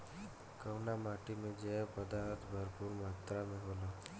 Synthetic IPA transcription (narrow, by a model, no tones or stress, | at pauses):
kəwnamaʈimẽd͡ʒepəd̪aɾət̪ʰbʱəɾpuɾmaːt̪ɾamẽɦola